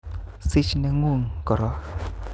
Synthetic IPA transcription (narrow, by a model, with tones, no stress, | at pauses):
si˦t͡ʃna˧ŋu˦˧˨ŋkɔ˨ɾɔ˦